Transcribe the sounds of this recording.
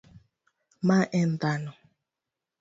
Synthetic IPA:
maʔɛndanɔ

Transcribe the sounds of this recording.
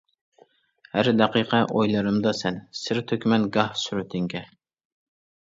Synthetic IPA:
hæɾd̪ɛqʰiqʰɛʔojlˠɨɾɨmd̪ɑsɛnsɪɾt̪ʰøkʲmɛnɡɑhsyɾyt̪ʰɪŋɡʲɛ

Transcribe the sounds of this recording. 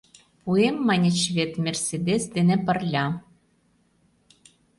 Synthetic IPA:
puemːɑnʲĕt͡ɕβet̪mʲersʲed̪esd̪enĕpɤ̆rlʲɑ

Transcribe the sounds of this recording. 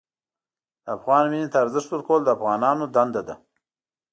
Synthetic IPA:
afɣɑːnminit̪aːɾzɪʂt̪əɾkold̪əafɣɑːnɑːnod̪and̪ad̪a

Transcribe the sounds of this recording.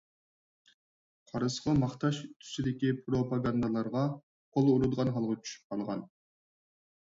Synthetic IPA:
qʰɑɾɨsqɑmɑχt̪ɑʃt̪ʰy̥sid̪ɪkʲipʰɾopɑɡɑnd̪ɑlˠɑɾʁɑ | qʰolˠuɾud̪ʁɑnɦɑlˠʁɑt͡ʃʰy̥ʃy̥p̚qʰɑlˠʁɑn

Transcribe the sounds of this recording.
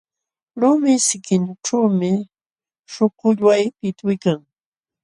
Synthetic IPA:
lʊmɪsɪkɪnʈ͡ʂawmɪ | ʃokʊʎwajpɪt̪awɪkaŋ

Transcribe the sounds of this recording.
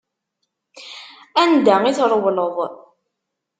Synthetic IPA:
ænd̪æŋiθɾˤwləðˤ

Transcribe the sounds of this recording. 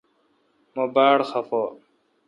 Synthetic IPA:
mobaːɽxɐfo

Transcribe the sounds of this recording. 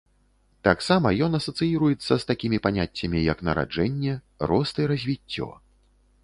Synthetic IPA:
t̪aksamɐjɔnɐsɐt̪sɨjiɾujɛt̪sːɐst̪akʲimʲipanʲatʲːɐmʲijɐknɐ̰ɾa̰d͡ʐɛnʲːɛ | ɾɔst̪ɨɾɐzʲvʲitʲːɔ̰

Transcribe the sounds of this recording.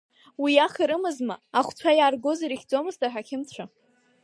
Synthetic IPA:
wiaχiɾɨmɨzmaaχʷt͡sʷʰajarɡoziɾiχʲd͡zomɨztʰʼaħʷᶣakʲʰɪmt͡ɕʷʰa

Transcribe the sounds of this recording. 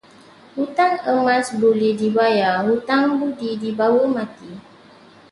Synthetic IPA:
hut̪aŋəmãsbulidibajahut̪aŋbudidibawəmãt̪i

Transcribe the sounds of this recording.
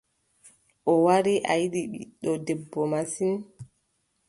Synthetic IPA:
ʔɔwaɾiʔa̰jiɗiɓḭɗɔdɛbːɔmasin

